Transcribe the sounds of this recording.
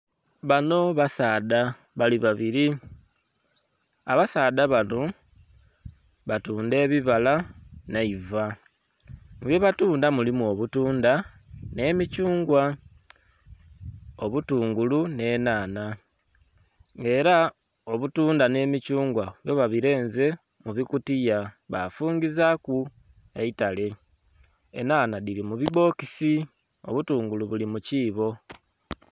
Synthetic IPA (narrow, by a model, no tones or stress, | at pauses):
βano̞βasaːda | βaliβaβiɾi | a̰βasaːdaβano | βatuːnde̞ːβiβalanaiva | ŋuβjeβatuːndamulimuo̞βutuːnda | ne̞ːmicuːŋɡwa | oβutuːŋɡulune̞ːnaːna | ŋɡe̞ːɾa | oβutuːndane̞ːmicuːŋɡwajo̞βaβiɾe̞ːnze̞ | muβikutijaβa̰fuːɲɡizaku | eitale̞ | ḛnaːnaðiɾimuβiβo̞ːkisi | o̰βutuːŋɡuluβulimuciːβo̞